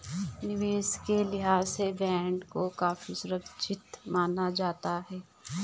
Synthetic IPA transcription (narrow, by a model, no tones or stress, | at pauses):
nɪʋeːskelɪɦaːsebɛ̃ːɳɖkokaːfisʊɾəkt͡ʃʰɪt̪maːnad͡ʒaːt̪aɦɛː